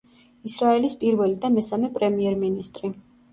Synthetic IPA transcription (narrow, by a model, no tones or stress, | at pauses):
isɾaɛlispʼiɾvɛlid̪amɛsamɛpʼɾɛmiɛɾminist̪ʼɾi